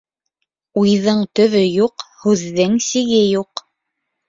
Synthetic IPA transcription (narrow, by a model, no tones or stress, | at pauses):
ujðɤɴt̪ɵ̆βɵjuqhʉðːɘŋsiɡɘjuq